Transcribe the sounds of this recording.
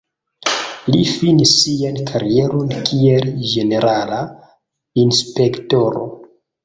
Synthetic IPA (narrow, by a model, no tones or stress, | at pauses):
lifinisːiankʰaɾije̞ɾo̞nkʰield͡ʒe̞ne̞ɾala | inspe̞kto̞ɾo̞̰